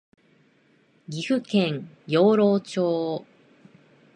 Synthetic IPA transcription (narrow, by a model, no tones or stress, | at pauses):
ɡʲiɸɯ̟kẽŋ | jo̞ːɾoːt͡ɕoː